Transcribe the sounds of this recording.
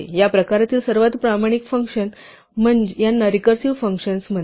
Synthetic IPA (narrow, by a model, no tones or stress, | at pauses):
ḛjapɾəkaɾat̪iːlsəɾʋat̪pɾamaɽ̃ikfəŋkʂən | m̤əɳd͡ʑejanːaɾikəɾsiʋfəŋkʂənsm̤ə